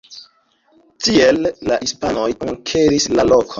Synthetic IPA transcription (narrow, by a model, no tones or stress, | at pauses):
tielːahispano̞juŋkʰe̞ɾislalo̞kʰon